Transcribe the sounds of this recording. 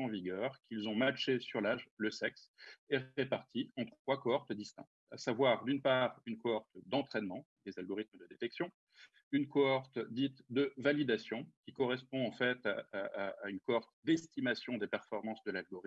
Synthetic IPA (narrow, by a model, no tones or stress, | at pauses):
ɑ̃viɡʲœʁkʰʲilzɔ̃maʃesyʁlaʒləsɛksɛepaʁt̪ʰiɑ̃t̪χətwakoɔʁt̪d̪ist̪ɛ̰̃k̚t̪a̰savwaʁd̪ynpaʁynkoɔʁt̪d̪ɑ̃t̪χɛnmɑ̃ | d̪ezalɡɔʁit̪məd̪əd̪et̪ɛksjɔ̃ | ynkoɔʁt̪d̪it̪d̪əvalid̪asjɔ̃kʲikɔʁɛspɔ̃ɑ̃fɛt̪aː | ynkoɔʁt̪d̪ɛst̪imasjɔ̃d̪epɛʁfɔʁmɑ̃sd̪əlalɡɔʁi